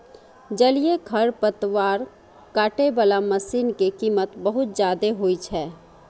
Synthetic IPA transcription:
d͡ʒɐlijekʰɐɾpət̪waːɾ | kaːʈebəlaməsiːnkekiːmət̪bəɦʊt̪̚d͡ʒjaːd̪eɦoːit͡ʃʰɛː

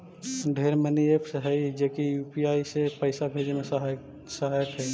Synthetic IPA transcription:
ɖʱeːɾməniepʰsɦɛid͡ʒekijuːpiaːisepəɪsabʱed͡ʒemẽsɦ | səɦaːjət̪ɦɛ

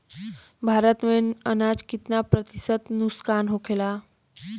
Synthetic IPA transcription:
bʱaːɾət̪mẽənad͡ʒkɪt̪napɾət̪isət̪nuskaːnɦokʰela

